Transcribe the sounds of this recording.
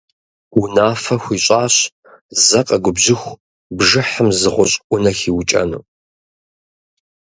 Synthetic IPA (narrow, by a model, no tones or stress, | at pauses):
wunaːfɐxʷiːɕʼaːɕ | zɐqʼɐɡʷʊbʑɪxʷ | bʒɨħəmzɨʁʷʊɕʼʔʷʊnɐxiːwt͡ʃʼɐ̰nṵː